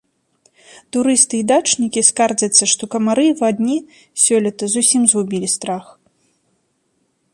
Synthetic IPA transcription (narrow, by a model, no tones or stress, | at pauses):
t̪uɾɨst̪ɨid̪at͡ʂnʲikʲiskard͡zʲɐt̪sːɐʂt̪ɔkɐmaɾɨvad̪ʲnʲi | sʲɔlʲɐt̪ɐzusʲimzɣubʲilʲist̪ɾax